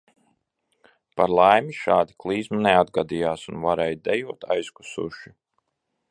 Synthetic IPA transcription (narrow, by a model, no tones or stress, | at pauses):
paɾlˠajmiʃaːd̪iklˠiːzmunead̪̚ɡad̪ijaːsunvaɾɛjd̪ɛjuɔt̪ʰa̰jsku̥sṵʃi